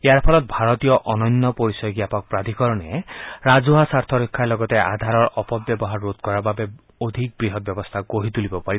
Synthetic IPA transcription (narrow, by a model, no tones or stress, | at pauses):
eaɾpʰɔlɔt̪̚bʱaɾɔt̪ijɔʔɔnɔnːɔpɔɾisɔɡjapɔk̚pɾad̪ʱikɔɾɔneɾad͡ʒuɦasaɾt̪ʰɔɾikʰːalɔɡɔt̪eʔa̰d̪ʱaɾɔɾɔpɔb̚bjɔbɔɦaɾːot̪̚kɔɾababe | od̪ʱik̚bɾiɦɔt̪̚bjɔbɔst̪ʰaɡoɦit̪ulibɔpaɾi